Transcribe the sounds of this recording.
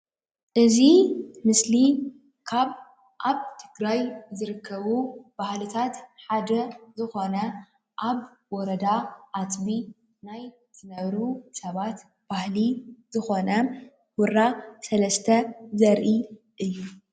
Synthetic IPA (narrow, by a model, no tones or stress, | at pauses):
ʔɨzimɨsli | kʰaβ | ʔaβt̪ʰɨɡɾajzɨɾɨkʰːɐβub̥ahlɨt̪ʰat̪ħad̪ɐzɨxo̞nɐ | ʔaβ | wɔɾɐd̪aʔat̪bi | naj | zɨnɐβɾusɐβat̪ | b̥ahlizɨxo̞nɐ | wʊɾasɐlɐst̪ʰɐzɐɾʔi | ʔɨjːu